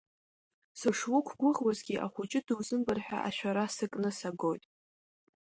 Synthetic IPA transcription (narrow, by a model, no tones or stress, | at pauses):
sɨʂwʊkʷʰɡʷʊʁwazɡʲiʔa̰χʷʊt͡ʃʼɪdɨwzɨmbɨrħʷᶣa̰ʔa̰ʃᶣaɾasɨkʼnɨsaɡo̞jtʼ